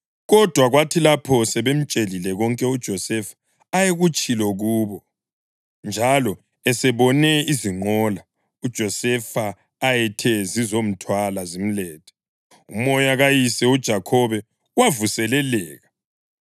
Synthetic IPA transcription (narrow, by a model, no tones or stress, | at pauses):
ɣɔd̥ʱwaɣwatʰilapʰɔsɛβem̩t͡ʃʼelilɛɣɔŋkʼɛud̥ʒ̥ʱɔsɛfḁː | jeɣut͡ʃʼilɔɣuːβɔ | nd͡ʒʱalɔ | ɛsɛβɔnɛiziŋ͡ǃɔla | ud̥ʒ̥ʱɔsɛfaː | jɛtʰɛzizom̩tʰwalazim̩lɛːtʰɛ̥ | umɔjaɣajisɛud̥ʒ̥ʱakʰɔβɛ | wavusɛlɛlɛːɣa